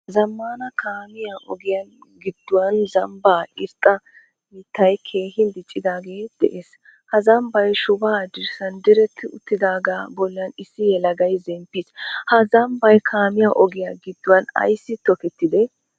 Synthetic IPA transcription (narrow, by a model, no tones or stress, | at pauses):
zɐmːaːnɐkʰaːmɪjaʔɔɡɪjaɡɪd̪̥ːʊwɐnzɐmbaːɪɾt̪ʼːɐ | it̪ːɐjkʰe̞ːhɪnd̪ɪt͡ʃʼːɪd̪aːɡeːd̪̥ɛʔeːs | hɐzɐmbɐjʃʊbaːd͡ʒɪɾsɐnd̪ɪɾɛt̪ːɪʊt̪ːɪd̪aːɡaːbɔlːɐnɪsːɪjɛlɐɡɐjzɛmpːishɐzɐmbɐjkʰaːmɪjaʔɔɡɪjaɡɪd̪ːʊwɐnɐ̰jsːɪt̪ɔkɛt̪ːɪd̪ɛ